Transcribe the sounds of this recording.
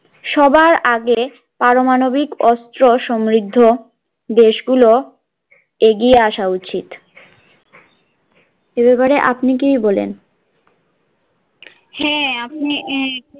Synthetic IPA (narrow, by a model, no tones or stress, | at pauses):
ʃɔbaɾaɡe | paɾomanobikɔst̪ɾoʃɔmɾid̪ʱːo | d̪eʃɡulo | eɡieaʃaut͡ɕit̪ | ebepaɾeʔapnikijbolḛn | hɛapni